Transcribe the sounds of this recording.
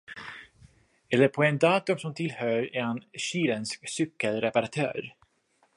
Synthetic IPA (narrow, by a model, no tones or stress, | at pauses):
ɛlːəɾpʰɔɛnd̪ɑːt̪ɵmsɔmt̪ʰɪlhœːɾɛ̰hanɕiːɾɛnsksʏkːəlɾɛpaɾat̪ʰœ̰ːɾ